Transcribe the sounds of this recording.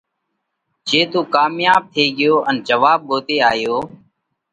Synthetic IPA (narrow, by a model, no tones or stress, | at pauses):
d͡ʒeːt̪uːkaːmjaːb̚t̪ʰeːɡɪjoːʔənd͡ʒəʋaːb̚ɠoːt̪eːaːjoː